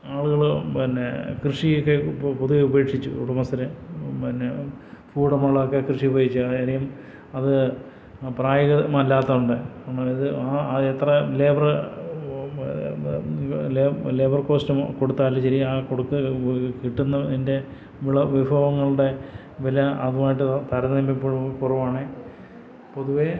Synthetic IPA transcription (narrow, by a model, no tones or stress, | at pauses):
aːɭuɣɐɭpinːekrɨʂijokːepoðueube̞ːkʂit͡ɕːṵṵɽɐmɐsɐɾepinːefuːɽɐmaːɭokːekrɨʂibɐjit͡ɕːuɐɐɾɐjɐm | ɐðɨ | praːjɐɣɐmaɐlːaːt̪ːɐuɳɖɨɳːaiðɨaɐet̪rɐleːbɐr | lːleːbɐrko̞ːstɐmko̞ɽut̪ːaːlːɐɕɐɾiaːkoɽukːɨkiʈːunːɐinde̞ | ʋiɭɐʋibʱɐʋɐŋːɐɭuɽe̞ | ʋilɐɐðumaːjiʈ̬ːɨt̪ɐɾɐnembippurɐʋaːɳe | po̞ðuʋe